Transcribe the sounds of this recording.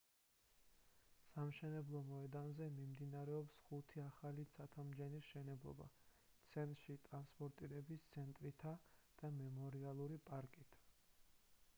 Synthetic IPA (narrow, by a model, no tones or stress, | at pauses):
samʃɛnɛblˠɔmɔɛd̪anzɛmimd̪inaɾɛɔpsχut̪ʰiaχalit̪sʰat̪ʰamd͡ʒɛnisʃɛnɛblˠɔ̰ba̰ | t̪sʰɛnt̪ʼɾʃit̪ʼɾanspʼɔɾt̪ʼiɾɛbist̪sʰɛnt̪ʼɾit̪ʰad̪̥amɛmɔɾialˠuɾipʼaɾkʼit̪ʰ